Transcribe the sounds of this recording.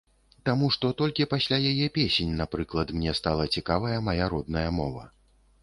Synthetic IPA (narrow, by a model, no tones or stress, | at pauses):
t̪amuʂt̪ɔt̪ɔlʲkʲipasʲlʲajajɛpʲesʲenʲnapɾɨklˠɐt̪mnʲɛst̪alˠɐt͡sʲikavɐjɐmɐjaɾɔd̪nɐjɐmɔvɐ̰